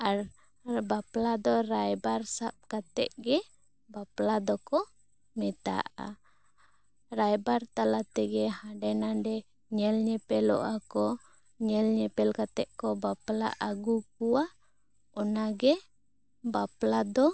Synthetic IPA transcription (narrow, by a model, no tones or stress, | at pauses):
a | baplad̪ɔɾajbarsap̚kat̪ɛ̰ʔɡɛ | baplad̪ɔkɔ | mɛt̪a̰ʔa̰ | rajbart̪alat̪ɛɡɛhaɖɛnadɛ | ɲɛlɲɛpɛlɔ̰ʔakɔ | ɲɛlɲɛpɛlkat̪ɛʔkɔbapla̰ʔaɡuk̚ua | ɔnaɡɛ | baplad̪ɔ